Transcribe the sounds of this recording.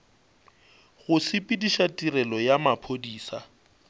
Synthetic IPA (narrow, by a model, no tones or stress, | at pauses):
ɣʊsɪpʼɪdiʃatʼirɛlɔjamapʰodiːsa̰